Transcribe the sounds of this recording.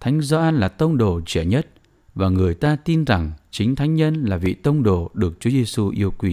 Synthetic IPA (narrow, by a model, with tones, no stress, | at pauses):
t̪ʰa˨˦jŋ̟zɔ˧ʔaː˧nlaː˨˩t̪ə˧wŋ͡mɗo˨˩t͡ɕɛ̰˧˩˨ɲə˦˥t̚ | vaː˨˩ŋɨ˨˩əjt̪aː˧t̪i˧nza˨˩ŋt͡ɕï˨˦ŋ̟t̪ʰa˨˦jŋ̟ɲə˧nlaː˨˩vḭ˧˨t̪ə˧wŋ͡mɗo˨˩ɗɨ˨˩ək̚t͡ɕu˨˦ze˧su˧ʔi˧əwkwi˧˩